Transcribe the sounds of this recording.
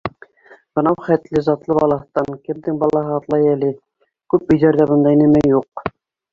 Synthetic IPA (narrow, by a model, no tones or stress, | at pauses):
b̥ɤ̆nɑwχæt̪lɘzɑt̪lˠɤbɑlˠɑ̆t̪ːɑŋkɘ̆md̪ɘŋbɑlˠɑɦɤɑt̪lˠɑjælɘ | kʉp̚ɵ̆jðæɾðæbɤ̆nd̪ɑinɘ̆mæjːuq